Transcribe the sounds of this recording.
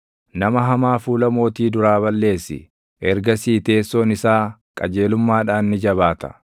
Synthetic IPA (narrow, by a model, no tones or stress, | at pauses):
nɐmɐɦɐmaːfuːlɐmo̞ːt̪iːd̪ʊɾaːβɐlːe̞ːsːɪ̰ | ʔɛɾɡɐsiːt̪e̞ːsːoːnɪsaːkʼɐd͡ʒe̞ːlʊmːaːᶑaːnːɪd͡ʒɐβaːt̪ɐ̥̰